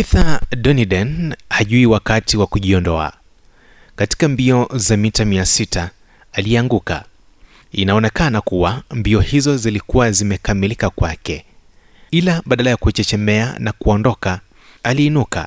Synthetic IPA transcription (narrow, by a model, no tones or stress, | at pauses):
iθaɗɔniɗɛnhaʄuiwakatiwakuʄiɔndɔa̰ | kati̥kambiɔzamitamiasitʰaː | liaŋɡuka̰ | inaɔnɛkanakuwambiɔhizɔzilikuwazimɛkamilikakwakɛ | ilaɓaɗalajakuɛt͡ʃɛt͡ʃɛmɛa̰nakuɔndɔka | aliːnuka̰